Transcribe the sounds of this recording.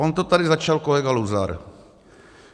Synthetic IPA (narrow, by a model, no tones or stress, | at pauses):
ont̪ot̪adɪzat͡ʃalkolɛɡaluza̰ɾ